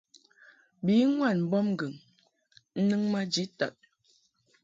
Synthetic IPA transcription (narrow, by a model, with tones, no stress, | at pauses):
bi˨˦ŋwa˦˨nm̩˦bɔ˦m˦ɡɨ˨ŋ | n̩˦nɨ˦ŋma˦d͡ʒi˨˦ta˨t̚